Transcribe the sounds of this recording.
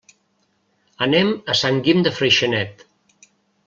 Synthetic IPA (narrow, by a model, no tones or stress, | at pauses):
əneməsaŋɡimd̪əfɾəjʃənɛt̪